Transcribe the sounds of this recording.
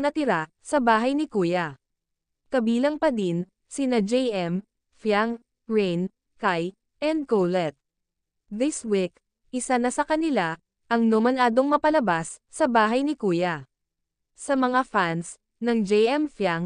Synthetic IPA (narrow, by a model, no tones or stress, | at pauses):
nɐt̪ɪɾa | sɐbaːɦɐjnɪkuːjɐ | kɐbiːlɐŋpɐd̪in | sɪnɐd͡ʒɛjʔɛm | fjaŋ | ɹɛjn | kaj | ʔɛnd̪̚kowlɛt̪̚ | ðɪswik | ʔɪsanɐsɐkɐnɪla | ʔɐŋnomɐlaːd̪oŋmɐpɐlɐbasːɐbaːɦɐjnɪkuːjɐ | sɐmɐŋafans | nɐŋd͡ʒɛjʔɛmfjaŋ